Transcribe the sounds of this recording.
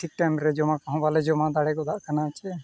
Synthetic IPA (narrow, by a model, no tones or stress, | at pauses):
ʈʰik̚ʈajmɾed͡ʒomãkəɦɔ̃baled͡ʒomãd̪aɽɛkod̪aʔkʰənat͡ʃʰɛ